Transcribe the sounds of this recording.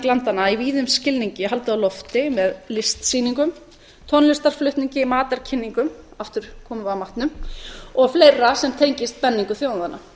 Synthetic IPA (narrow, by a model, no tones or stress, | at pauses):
klant̪anaiviːðʏmscɪlniɲcɪɦalt̪ʏawlɔft̪ɪmɛðlɪst̪siːniŋkʏm | t̪ʰɔnlɪst̪aɾ̥flʏht̪niɲcɪmaːt̪aɾ̥cʰɪnːiŋkʏm | aft̪ʏɾ̥kʰɔːmʏawmaht̪nʏmɔɣflejrasɛmt̪ʰejɲcɪst̪̚pɛnːiŋkʏθjownaðanːa̰